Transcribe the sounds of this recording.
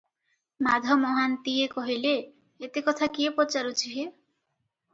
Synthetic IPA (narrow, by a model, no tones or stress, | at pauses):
mad̪ʱɔmɔɦant̪iekɔɦile | et̪ekɔt̪ʰakiepot͡ʃaɾut͡ʃʰiɦe